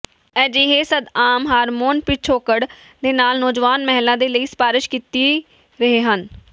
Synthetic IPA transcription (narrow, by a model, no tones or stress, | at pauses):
ɛːd͡ʒiːɦeːsəd̪aːmɦaːɾmoːnpɪt͡ʃʰoːkəɽ | d̪eːnaːlnɔːd͡ʒʋaːnmɛɦlãːd̪eːləiːspaːɾɪʃkiːt̪i | ɾəɦeːɦən